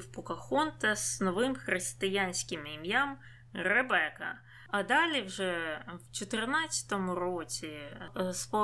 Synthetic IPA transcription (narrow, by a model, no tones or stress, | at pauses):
wpʊkɐxɔnt̪ɐznɔʋɪmxɾɪst̪ɪjanʲsʲkɪmimjam | ɾebɛkɐ̰ | ɐd̪ɑlʲiwʒɛwt͡ʃɔt̪ɪrnɑt̪t͡sʲɐ̥t̪ɔmʊɾɔt͡sʲispɔ